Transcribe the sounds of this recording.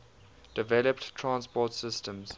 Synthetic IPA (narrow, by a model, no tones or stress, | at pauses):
d̥ɪvɛləpttʰːɹãnspɔːtsɪstə̃mz̥